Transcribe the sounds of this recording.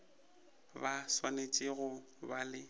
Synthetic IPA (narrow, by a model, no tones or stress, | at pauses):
baswanet͡ʃʼɪɣʊ | balɪ